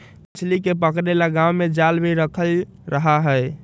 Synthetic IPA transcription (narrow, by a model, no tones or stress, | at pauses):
pit͡ʃʰlikepəkɾelaɡawmed͡ʒalbeɾəkʰəl | ɾəɦaɦəj